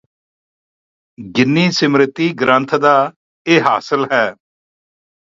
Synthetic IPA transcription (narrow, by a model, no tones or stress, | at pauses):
ɡɪnːiːsɪmɾɪt̪ːiːɡɾənt̪ʰd̪aː | eːɦaːsəlɦɛː